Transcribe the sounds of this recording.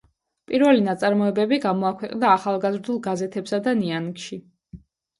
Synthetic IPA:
pʼiɾvɛlinat̪sʼaɾmɔɛbɛbiɡamɔakʰwɛqʼnd̪aːχalˠɡazɾd̪ulˠɡazɛt̪ʰɛpsad̪aniankʃi

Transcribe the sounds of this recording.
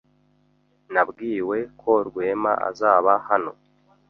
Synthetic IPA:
nabɡiːwe̞kʰo̞ɾɡwe̞ːma̰a̰zaːβahano̞̰

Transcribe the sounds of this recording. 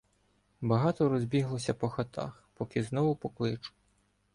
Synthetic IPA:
bɐɦɑt̪ɔɾɔzʲbʲiɦlˠɔsʲɐpɔxɐt̪ʰɑ̰xpɔkɪznɔʋʊpɔklˠɪt͡ʃʊ̥

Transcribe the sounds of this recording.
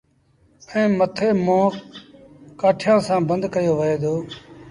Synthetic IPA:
ə̃ːmət̪ʰeːmõː | kaːʈʰjãːsãːbə̃nd̪ʱkəjoːʋəɦeːd̪oː

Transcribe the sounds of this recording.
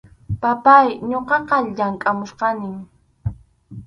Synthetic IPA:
papajɲoqɑqɑʎaŋkʼamʊsqɑnɪŋ

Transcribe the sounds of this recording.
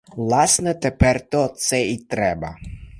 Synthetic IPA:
vlˠasnɛt̪ɛpɛrt̪ɔt̪sɛit̪ɾɛbɐ

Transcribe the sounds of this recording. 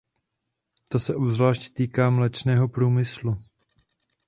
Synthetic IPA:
t̪o̞sɛʔobzvlaːʃct̪iːkaːmlɛt͡ʃnɛːɦo̞pɾuːmɪslu

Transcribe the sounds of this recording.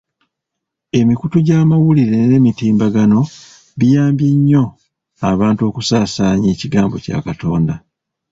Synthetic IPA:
e̞mikutuɟaːmawuliɾe̞ne̞mitiːmbaɡano̞ | βijaːmbjiɲːo̞ | aβaːnto̞ːkusaːsaːɲe̞ːciɡaːmbo̞ca̰ːkato̞ːnda

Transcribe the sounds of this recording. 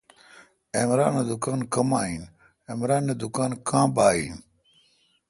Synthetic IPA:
emɾa̰ːned̪ʊkaːnkɐmaːiːn | emɾaːnːed̪ʊkaːnkãːbaːḭːn

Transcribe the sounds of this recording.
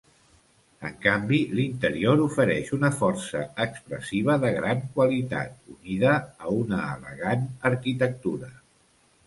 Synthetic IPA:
ə̰ŋkambilint̪əɾioɾufəɾɛʃunəfɔrsə̰əkspɾə̰siβ̞əðəɣɾaŋkwəlit̪a̰t̪̚uniðəːunəːlə̰ɣ̞anəɾkit̪ək̚t̪uɾə

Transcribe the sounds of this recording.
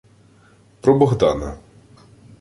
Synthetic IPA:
pɾɔbɔɣd̪ɑnɐ̰

